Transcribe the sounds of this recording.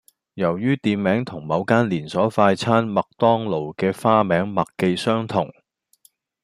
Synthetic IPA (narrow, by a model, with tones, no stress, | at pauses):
jɐ˨˩wjyː˥t̪iː˨nmɛː˨˥ŋt̪ʰʊ˨˩ŋmɐ˨˧wkaː˥nliː˨˩nsɔː˨˥faː˧jt͡sʰaː˥nmɐ˨k̚t̪ɔː˥ŋlo˨˩wkɛː˧faː˥mɛː˨˥ŋmɐ˨kkːe˧jsœː˥ŋt̪ʰʊ˨˩ŋ